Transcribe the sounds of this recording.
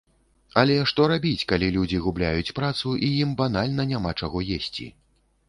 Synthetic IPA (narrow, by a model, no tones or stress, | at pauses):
ɐlʲɛʂt̪ɔɾabʲit͡sʲkalʲilʲud͡zʲiɣublʲajut͡sʲpɾat̪suʔijimbanalʲnɐnʲamat͡ʂaɣɔjesʲt͡sʲḭ